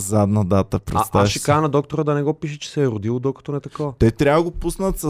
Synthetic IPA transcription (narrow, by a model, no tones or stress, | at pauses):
zad̪nəd̪at̪əpɾɛ̰st̪aʃɛkanɐd̪ɔk̚t̪oɾəd̪ɐnɛɡɔpiʃɛt͡ʃɛ̥sɛːɾʊd̪ilˠod̪okɐ̥t̪ɔnɛt̪ɐkovət̪ɛt̪ɾʲavəɡopusnət̪sə